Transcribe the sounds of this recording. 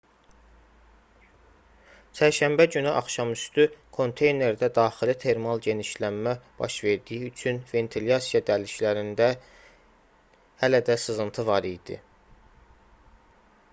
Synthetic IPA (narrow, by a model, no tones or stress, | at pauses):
t͡ʃʰæɾʃæmbæɟynyʔɑχʃɑmyst̪ykʰo̞nt̪ʰe̞jne̞ɾd̪æd̪ɑːxilit̪ʰe̞ɾmɑlˠɟe̞niʃlænmæb̥ɑ̰ʃve̞ɾd̪ijiyt͡ʃʰynve̞nt̪ʰiljɑsijɑd̪æliʃlæɾind̪æ | hælæd̪æsɯzɯnt̪ʰɯvɑɾijd̪̥ḭ